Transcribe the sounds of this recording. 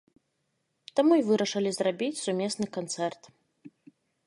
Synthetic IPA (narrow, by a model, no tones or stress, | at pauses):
t̪amuivɨɾɐʂɐlʲizrabʲit͡sʲsumʲesnɨkant̪sɛrt̪